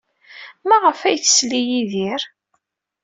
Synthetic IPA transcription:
mæʁəfæjθə̥slijiðiɾ

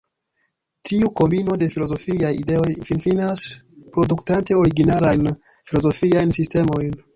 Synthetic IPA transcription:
tiuko̞mbino̞de̞filo̞zo̞fiajḭde̞o̞jfinfinas | pɾo̞duktante̞o̞ɾiɡinalajn | filo̞zo̞fiajnsiste̞mo̞jn

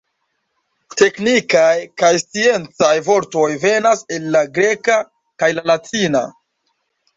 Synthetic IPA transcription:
te̞knikajkajstie̞nt͡sajvo̞ɾto̞jve̞nase̞lːaɡɾe̞ka | kajlalatʰina̰

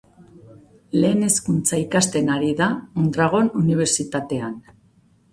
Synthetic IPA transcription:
le̞ːne̞skunt͡saikast̪e̞naɾiðaond̪ɾaɣ̞o̞nuniβ̞e̞ɾt͡sit̪at̪e̞an

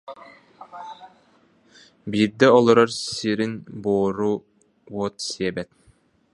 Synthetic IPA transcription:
biɾd̪ɛɔlˠɔɾɔɾsiɾinboːɾu | wɔt̪siɛbɛt̪̚

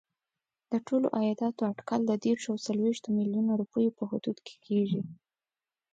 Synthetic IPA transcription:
d̪̥əʈʰolo̰ʔajɑd̪ɑt̪oaɖkɑld̪əd̪eɾʃawsalweʃt̪omiljunoɾupəjopəɦʊd̪ud̪kʰe̥kʰeʐi

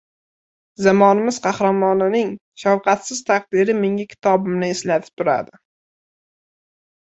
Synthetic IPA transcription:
zamɒnɪmɪzqʰɑhɾamɒnɪnɪŋ | ʃawqʰɑt̪sɪz̥t̪ʰaq̚d̪ɪɾɪmeŋakʲʰɪ̥t̪ʰɒbɪmnɪɪslat̪ʰɪ̥p̚t̪ʰʊɾa̰d̪ɪ

